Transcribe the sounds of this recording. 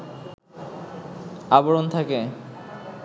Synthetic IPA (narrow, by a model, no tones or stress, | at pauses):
aboɽont̪ʰake